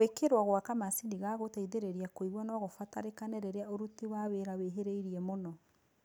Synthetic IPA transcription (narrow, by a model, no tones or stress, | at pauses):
ekeɾwaɣwakamasiniɣaɣotaiðeɾeɾiakoiβwanɔɣofataɾekanɛɾeɾeaoɾutiwaweɾaweɦeɾeiɾiɛmonɔ